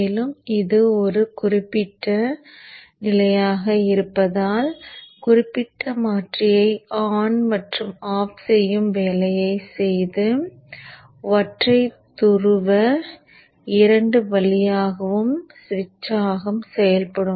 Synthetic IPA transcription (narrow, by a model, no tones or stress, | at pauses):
lɯmɪðɯɔɾɯkʊrɪpːɪʈːɐ | nɪlɐjaːɣɐɪɾɯpːɐðaːlkʊrɪpːɪʈːɐmaːʈrɪjɐɪaːnmɐʈrɯmaːfsɛjːɯmʋeːlɐjɐɪsɛjðɯ | ʋɐʈrɐɪt̪ʊrɯʋɐ | ɪɾɐɳɖɯʋɐlɪjaːɣɐʋɯmsʋɪt͡ʃːaːɣɐmsɛjɐlpɐɽɯm